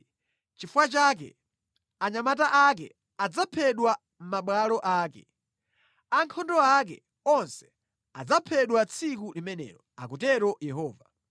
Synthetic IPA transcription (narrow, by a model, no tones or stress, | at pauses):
t͡ʃifuwat͡ʃak̬ɛ̰ | aɲamataʔakɛ̰ | ad͡zapʰɛɗwa | m̩maɓwalɔʔaːkɛ̰ | aŋkʰɔndɔak̬ɛ | ɔnsɛ̥ | ad͡zapʰɛɗwat͡sʰik̬ulimɛnɛ̰ːɾɔa̰kutɛɾɔjɛɦɔːva